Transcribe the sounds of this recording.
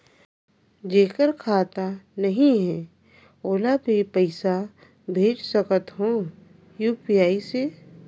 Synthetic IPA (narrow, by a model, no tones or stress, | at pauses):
d͡ʒeːkəɾkʰaːt̪anɐɦĩɦɛ | oːlabʱipəɪsa | bʱeːd͡ʒsəkət̪ɦõː | juːpijaːise